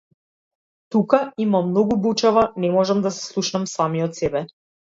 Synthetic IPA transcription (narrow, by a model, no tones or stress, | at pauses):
t̪ukaimamːnɔɡubut͡ʃavanɛmɔʒamd̪asɛ̥slˠuʃnamsamiɔt̪sɛbɛ